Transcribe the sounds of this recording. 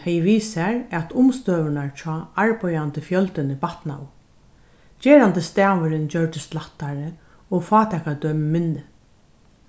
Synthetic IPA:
hɛjʋiːsaɹɛt̪ʰʊmst̪øːʋɪnaɹt͡ɕʰɔːaɹpɔjant̪ɪfjœlt̪ɪnɪpat̪na̰w | t͡ɕeːɾant̪ɪst̪ɛːʋɪɾɪnt͡ɕœɹt̪ɪst̪laht̪ːaɾɪ | ɔɣfɑːt̪ʰɛkad̪œːmɪmɪnːɪ

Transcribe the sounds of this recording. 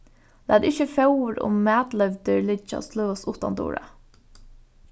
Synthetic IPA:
lʔæːd̪ɪçəfɑʊɾʊ̰mmæːd̪lœʋd̪əɹlɪt͡ʃɑ̰sløːɔsuːt̪ɑ̰nd̪ṵːɹə̰

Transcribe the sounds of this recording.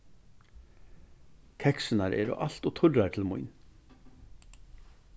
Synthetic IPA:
kʰɛksənaɾʔɛ̰ːɾɔ̰ʔal̥t̪ɔt̪ʰʊɾaɾt̪ʰɪlmʊ̰jn

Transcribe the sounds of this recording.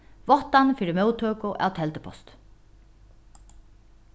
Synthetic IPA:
vɔht̪anfiːɾɪmœwt̪ʰøːkʊʔa̰wt̪ʰɛlt̪əpʰɔ̰st̪

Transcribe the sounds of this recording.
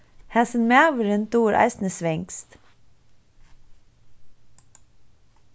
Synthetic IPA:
hɛsənmæːʋəɾʉnt̪uːɾʔæ̰ɪsn̩əsʋɪŋkst̪

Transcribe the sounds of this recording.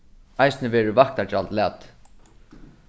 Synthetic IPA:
ajsnəʋɛːɾɪvak̚t̪at͡ʃalt̪laːt̪

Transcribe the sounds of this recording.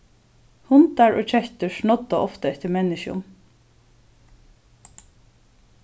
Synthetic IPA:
hʊnd̪aɹo̰ːc͡çɛçt̪əʃɳɔd̪ɑʔɔft̪əɛt̪əmɛnɪʃʊ̰m

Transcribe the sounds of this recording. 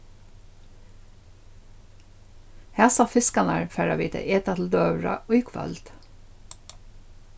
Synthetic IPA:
hæːsɑːfɪskɑnɑɹfæɹɑʋiːt̪ʰə̰ʔeːt̪ɑt̪l̩d̪øːʋɹɑ̰ʔɔʏkʰʋɑ̰lt̪

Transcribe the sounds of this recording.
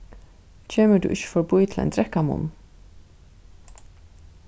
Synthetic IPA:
t͡ɕʰeːməd̪ʉ̰ʔɪçə̥fɔɹbujt̪ʰlɛ̰ɪnd̪ɾɛkamʊ̰m

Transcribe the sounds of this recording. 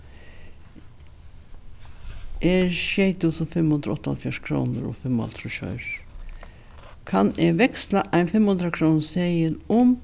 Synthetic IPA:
ʔeːɹʃjeɪt̪usʊnfɛmhʊnd̪ɾaɔt̪ːaha̰lfjɔʂkʰɾṵːnəɾɔ̰ːfɛma̰lt̪ʰɾʊɕœ̰ʏɹ | kʰɑneːʋɛkslaʔæɪnfɛmhʊnd̪ɾakʰɾuːnseɪənʊm

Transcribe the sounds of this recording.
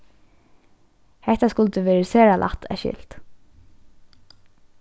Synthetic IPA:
hɛht̪askʊlt̪əʋɛːɹəseːɾalʔa̰ht̪ʰɛ̰ʃɪ̰ːl̥t̪

